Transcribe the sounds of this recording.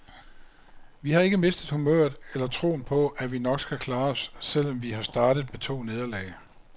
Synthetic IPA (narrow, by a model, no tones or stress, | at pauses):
ʋihɑ̈e̝ɡ̥əme̝sd̥əð̩ˠhumøɐ̰d̥ˠelɐt͡sʰʁo̝̰ːnpʰɒ̽ʔæʋinɒ̽ɡ̥sɡ̥ækʰlɑ̈ːɒ̽sːel̰ɒ̽mʋihɑ̈sd̥ɑ̈ːɾ̥ð̩ˠmet͡sʰo̝̰ːne̝ð̞ˠɐlɛ̰ː